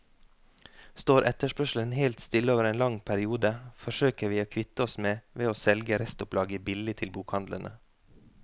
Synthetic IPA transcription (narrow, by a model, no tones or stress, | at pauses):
st̪oːɾʔɛt̪əʃpœʃl̩ənhelt̪st̪ɪləoːʋəɾeːnlɑŋpʰæɾɪuːd̪əfɔʃøːkəʋiːoːkʰʋɪt̪əɔsmeːʋeːoːsɛlɡəɾɛst̪ʊplɑːɡəbɪlɪt̪ʰɪlbuːkhɑnd̪lə̰nʔə̰